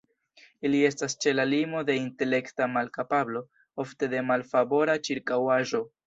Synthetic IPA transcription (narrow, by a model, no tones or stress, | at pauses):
ilie̞stast͡ʃe̞lalimo̞de̞inte̞le̞ktamalkapablo̞ | o̞fte̞de̞malfabo̞ɾat͡ʃiɾkawaʒo̞